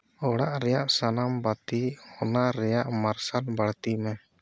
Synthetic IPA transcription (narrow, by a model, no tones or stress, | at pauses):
ɔɽaʔɾɛjaʔsanambat̪ihɔnaɾɛjaʔmaɾsanbaɽt̪imɛ